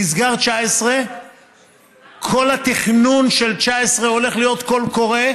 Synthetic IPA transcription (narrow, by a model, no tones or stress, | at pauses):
isɡaʁt͡ʃaesʁe | kʰo̞lat̪iχnunʃelt͡ʃaesʁeo̞le̞χlijo̞t̪ko̞lko̞ʁe